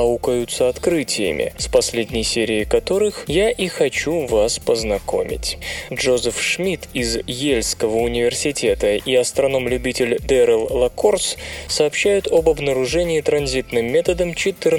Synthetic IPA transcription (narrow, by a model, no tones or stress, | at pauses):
ɐukəjʊt̪səɐt̪kɾɨtʲɪjə̰mʲɪ̰spɐsʲlʲedʲnʲɪjsʲeɾʲɪːkɐt̪o̞ɾɨxjaʔixɐt͡ɕuvaspəznɐko̞̰mʲɪ̰tʲʐozəfʂmʲit̪ɪzjelʲskəvəʊnʲɪvʲɪrsʲɪtʲe̞t̪əiɐst̪ɾɐno̞mlʲʉbʲitʲɪlʲd̪ɛɾəlˠlˠɐkorssɐːpɕːæjʊt̪obɐbnəɾʊʐɛnʲɪːt̪ɾɐnzʲit̪nɨmːʲe̞t̪əd̪əmt͡ɕɪt̪ɨr